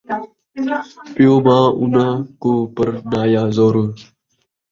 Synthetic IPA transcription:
pɪjõːmãːʔʊ̰nəkoːpəɾnaːjaːzoːɾu

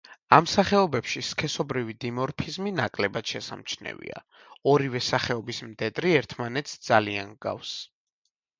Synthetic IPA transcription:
amsaχɛɔbɛpʃiskʰɛsɔbɾivid̪imɔɾpʰizminakʼlɛbad̪̥ʃɛsa̰mt͡ʃʰnɛ̰vḭa̰ | ɔɾivɛsaχɛɔbismd̪ɛd̪ʼɾiɛɾt̪ʰmanɛt̪sʰd̪zaliaŋɡa̰fs

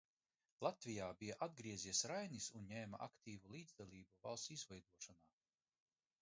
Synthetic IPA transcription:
lˠat̪vʲijaːbijaʔad̪̚ɡɾiɛzʲiɛsɾajnisunɲɛːma̰ʔa̰kt̪ʰiːvulˠiːd̪zd̪alˠʲiːbuva̰lˠsizvɛjd̪uɔʃanaː

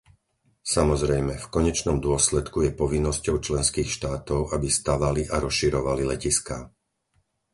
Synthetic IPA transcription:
samɔzɾɛjmɛfkɔɲɛt͡ʃnɔmd̪ʊɔslɛt̪kujɛpɔʋinːɔscɔʊt͡ʃlɛnskiːxʃt̪aːt̪ɔʊabist̪aʋaliʔaɾɔsʃiɾɔʋalilɛciskaː

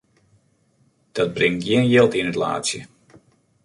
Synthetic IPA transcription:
d̥ɔd̚brɪŋɡjiənjɪlˠtɪnətla̰ːsjə̰

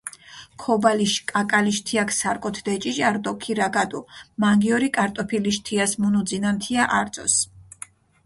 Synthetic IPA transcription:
kʰɔbaliʃkʼakʼaliʃt̪ʰiakʰsaɾkʼɔt̪ʰd̪ɛt͡ʃʼiʒaɾd̪ɔkʰiɾaɡad̪ʼumaŋɡiɔɾikʼaɾt̪ʼɔpʰiliʃt̪ʰiasmunud̪zinant̪ʰiaʔaɾt̪sʼɔ̰s

